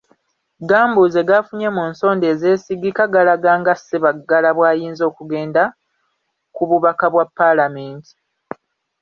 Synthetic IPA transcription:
ɡaːmbuze̞ɡafuɲe̞muːnso̞ːnde̞ːze̞ːsiɡikaɡalaɡaːŋɡaseβaɡːalaβwaːjiːnzo̞ːkuɡe̞ːnda | kuβuβakaβwapːalameːnti̥

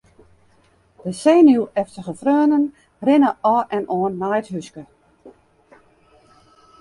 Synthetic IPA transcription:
d̥əseːnuwɛftəχəfrøːənən | rɪnəʔɔɛnʔɔənːajətɦyskə

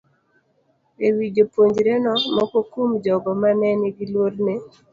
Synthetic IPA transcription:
ewid͡ʒopwoɲd͡ʒɾenɔmɔkɔkumd͡ʒɔɡɔmanɛneɡilwoɾne

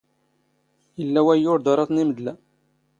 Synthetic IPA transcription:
jəlːæwæjʊɾd̪ɑɾˤɑθˤniməd̪læ

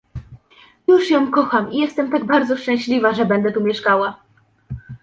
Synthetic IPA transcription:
juʂjɔ̃w̃kɔxamijɛst̪ɛmt̪aɡbaɾd̪zɔʂt͡ʂɛ̃w̃ɕlʲivaʐɛbɛnd̪ɛt̪umʲjɛʂkawa

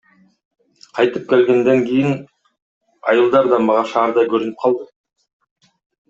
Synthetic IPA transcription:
qʰɑjt̪ɯp̚kʲelɡʲe̞nd̪eŋkʲijɪn | ɑ̰jɯlˠd̪ɑɾd̪ɑmbɑʁɑʃɑːɾd̪ɑjkʰɵɾynɪp̚qʰɑlˠd̪ə

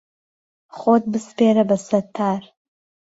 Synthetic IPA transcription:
χʷoːt̚bɨsfeːɾɐbɐsɐtʰːaːr

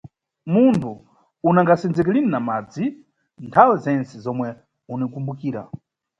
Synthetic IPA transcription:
muntʰu | unaŋɡasɛnd͡zɛk̬ɛlininamad͡zi | ntʰawɛzɛnt͡sɛzɔmwɛ | unikumbukiːɾa̰

